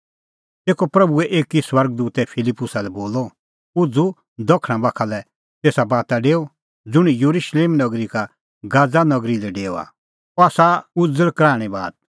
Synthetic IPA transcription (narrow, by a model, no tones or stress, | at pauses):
t̪eːkɔpɾɐbuɛʔeːkːiswɐɾɡ̚d̪uːt̪ɛpʰɪlɪpːʊsalɛboːlɔ | ʊd͡zu | d̪ɔkʰɽ̃ãbakʰalɛ | t̪eːsabaːt̪aɖeːo | d͡zʊɽ̃ijuɾuʃleːmnɐɡɾika | ɡaːd͡zanɐɡɾilɛɖeːo̰a̰ | ɔaːsaʊd͡zəɭkɾaːɽ̃ɛba̰ːd̪̚